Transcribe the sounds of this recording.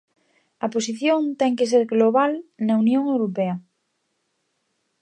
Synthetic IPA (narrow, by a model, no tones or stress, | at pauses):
ɐpos̬iθjõnt̪ɛŋkes̬eɾɣloβalnɐunjõŋewɾopeɐ